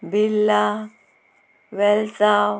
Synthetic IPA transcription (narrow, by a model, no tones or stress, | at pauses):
bilːa | wɛlt͡sa